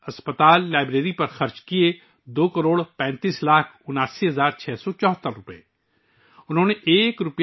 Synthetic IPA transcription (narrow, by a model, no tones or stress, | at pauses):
ɐspət̪aːlːaːɪbɾeːɾipɐɾxɐɾt͡ʃkie | d̪oːkɐɾoːɽpɛ̃ːnt̪iːslaːkʰʊnaːsiɦɐzaːɾt͡ʃʰɛːsɔt͡ʃɔːt̪ːəɾɾʊpḛː | ʊnɦõːneʔeːkɾʊp